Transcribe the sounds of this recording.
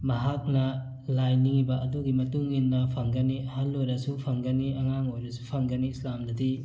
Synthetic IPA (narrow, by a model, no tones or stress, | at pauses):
mɐɦak̚nɐ | lajniŋibɐːduɡimɐtuŋinːɐpʰɐŋɡɐniɐhalːojɾɐsupʰɐŋɡɐniɐŋaŋojɾɐsupʰɐŋɡɐniːslamdɐdi